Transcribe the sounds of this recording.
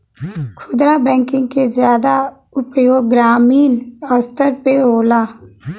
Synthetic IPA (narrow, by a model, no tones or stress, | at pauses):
kʰʊd̪ɾabɛ̃ːŋkɪ̃ŋɡ̚kezjaːd̪a | ʊpjoːɡːɾaːmiːnɔːɾst̪əɾpeɦoːlaː